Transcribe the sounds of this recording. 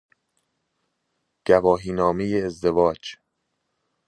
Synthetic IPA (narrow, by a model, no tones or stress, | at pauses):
ɟ̥ævɒːɦiːnɒːmejeːzd̪e̞vɒːd͡ʒ